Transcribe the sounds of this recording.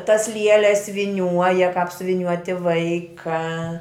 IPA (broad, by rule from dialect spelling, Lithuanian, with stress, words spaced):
tɐs ˈlʲiɛlʲɛs ʋʲɪˈnʲuɔjɛ kɐp sʲʊʋʲɪˈnʲuɔtʲɪ ˈʋɐɪkɐ